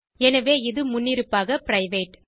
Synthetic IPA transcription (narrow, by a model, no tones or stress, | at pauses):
ɛnɐʋeːɪðɯmʊnːɪɾɯpːaːɣɐpɾɐɪʋeːʈ